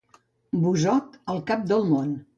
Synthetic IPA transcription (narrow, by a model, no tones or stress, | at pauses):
buzɔt̪əlˠkap̚d̪əlˠmon